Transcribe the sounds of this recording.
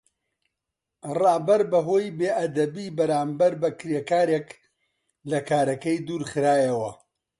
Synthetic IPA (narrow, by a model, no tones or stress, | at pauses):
rɑːbɐɾbɐɦoːjbeːʔɐd̪ɐbiːbɐɾaːmbɐɾbɐkɾeːkaːɾeːk | lɐkaːɾɐkɐjd̪uːɾχɨɾaːjɐwɐ